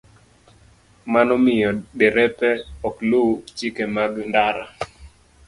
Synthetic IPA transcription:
manɔmɪjɔdɛɾɛpɛɔklut͡ʃikɛmaɡndaɾa̰

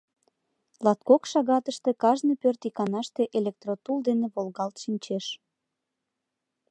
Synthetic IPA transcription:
lɑt̪kokʃɑɣɑt̪əʃt̪e̽kɑʒnɤpørt̪ikɑnɑʃt̪eʔelʲek̚t̪rot̪uld̪eneβolɣɑlt̪ʃinʲt͡ɕeʃ

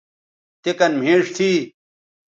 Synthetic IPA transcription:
t̪ekɐnm̤ʱeːʂt̪ʰiː

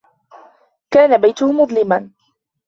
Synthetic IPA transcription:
kaːnabajt̪ʊhʊmʊd̪ˤlɪman

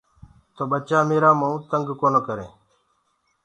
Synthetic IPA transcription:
t̪oːɓət͡ʃaːmeːɾaːməũːt̪əŋɡkoːnoːkəɾḛ̃ː

